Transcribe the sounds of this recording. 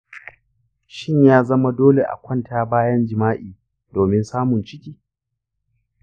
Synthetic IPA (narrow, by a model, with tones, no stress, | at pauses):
ʃɪ˦ɲjaː˦zɐ˦ma˦doː˦le˨ʔa̰˨kʷʰɐ˦˨ntʰaː˦baː˦jɐ˦nd͡ʒɪ˨maː˦ʔiː˨ | doː˨mɪ˦nsaː˦mʊ˨nt͡ʃɪ˦kʲiː˨